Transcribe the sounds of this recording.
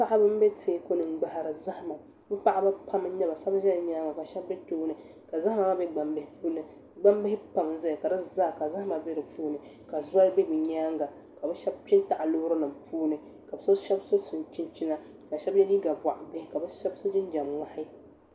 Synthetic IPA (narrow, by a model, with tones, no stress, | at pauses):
pa˦ʔa˦bɨ˦m˦be˦tʰeː˨˦ko˦nɨ˨ŋ͡m̩˦ɡ͡ba˨ha˨ɾɨ˨za˦ha˨ma˨ | bɨ˦pa˦ʔa˦ba˦pʰa˦m˦ɲɛ˦ba˨sa˦ba˦ʒɛ˦lɲaː˦ŋɡa˨ka˨ʃɛ˦bbɛ˦toː˦nɨ˨ | ka˨za˦ma˨ma˦bɛ˦ɡ͡ba˨mbɪ˦hɪ˦puː˦nɨ˨ | ɡ͡ba˦mbɪ˦hɪ˦pa˨m˨n˦za˦ja˨ka˨dɨ˦zaː˦˨ka˨za˦ha˦ma˨bɛ˦ɾɨ˨pʰuː˦nɨ˨ | ka˨za˦lbɛ˦bɨ˨ɲaː˦ŋɡa˨ | ka˨bɛ˦ʃɛ˦b̚t͡ʃɪ˦n˦ta˨ʔa˨loː˦ʊ˦ɾɨ˦nɨ˨mpuː˦nɨ˨ | ka˨bɨ˨˦so˦ʃɛ˦bso˦sɨ˨n˨t͡ʃi˦nt͡ʃi˦na˦ | ka˨ʃɛ˦bjɛ˦ni˦ɡa˨ba̰˨ʔbɪ˦hɪ˦ka˨bɛ˦ʃɛ˦bso˦d͡ʒɪ˦n˦d͡ʒa˨mŋa˦hɪ˦